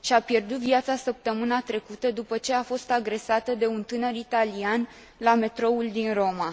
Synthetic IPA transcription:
ʃiapje̞rd̪ut̪viat̪sasəp̚t̪əmɨnat̪ɾe̞kut̪əd̪upət͡ʃe̞afo̞st̪aɡɾe̞sat̪əd̪e̞unt̪ɨnəɾit̪alian | lame̞t̪ɾo̞uld̪inro̞ma

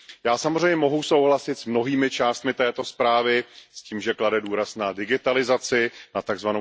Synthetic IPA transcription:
jaːsamo̞zrɛɲɲɛmo̞ɦuso̞wɦlasɪt̪smno̞ɦiːmɪt͡ʃaːst̪mɪt̪ɛːt̪o̞spɾaːvɪsciːmʒɛkladɛduːɾasnadɪɡɪt̪alɪzat͡sɪnat̪aɡzvano

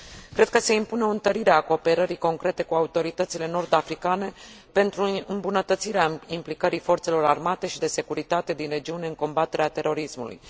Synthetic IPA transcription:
kɾe̞d̪̚kəse̞impuneo̞ɨnt̪əɾiɾeako̞ːpe̞ɾəɾiko̞ŋkɾe̞t̪e̞kuaut̪o̞ɾit̪ət̪sile̞no̞rd̪afɾikane̞ | pe̞nt̪ɾuɨmbunət̪ət̪siɾeaimplikəɾifo̞rt̪se̞lo̞ɾarmat̪e̞ʃid̪e̞se̞kuɾit̪at̪e̞d̪inre̞d͡ʒiune̞ɨŋko̞mbat̪e̞ɾeat̪e̞ɾo̞ɾismṵlṵj

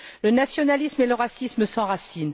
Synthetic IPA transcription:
lənasjɔnalismeləʁasisməsɑ̃ʁasin

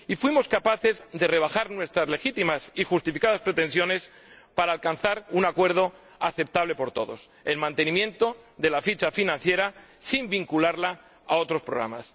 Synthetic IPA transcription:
ifwimo̞skapaθe̞zðe̞re̞β̞axaɾnwe̞st̪ɾazle̞xit̪imasixust̪ifikað̞aspɾe̞t̪ẽ̞nsjo̞ne̞s | paɾaːlkanθaɾunakwe̞ɾð̞o̞ | aθe̞p̚t̪aβlepo̞ɾt̪o̞ðo̞̰s | e̞lmãnt̪e̞nĩmjẽ̞nt̪o̞ðe̞lafit͡ʃafinãn̟θje̞ɾasimbiŋkulaɾla | a̰o̞t̪ɾo̞spɾo̞ɣɾa̰ma̰s

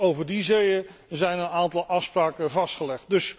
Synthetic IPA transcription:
owvəɹdizejəzɛjnənaːntɑlˠʔɑfspraːkəvɑstχəlɛχt̚dɵs

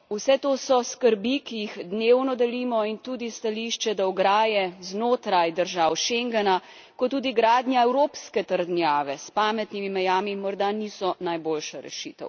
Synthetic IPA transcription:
usɛt̪oːsɔskəɾbikijixd̪newnɔd̪ɛliːmɔint̪uːd̪ist̪aliʃt͡ʃɛd̪aɔɡɾaːjɛznoːt̪ɾajd̪əɾʒaːwʃeŋɡɛna | kɔt̪ːuːd̪iɡɾaːd̪nʲjaɛwɾoːpskɛt̪əɾd̪njaːʋɛspaːmɛt̪nimimɛjaːmimɔɾd̪anisɔnajbolʃaɾɛ̰ʃit̪ɛ̰w

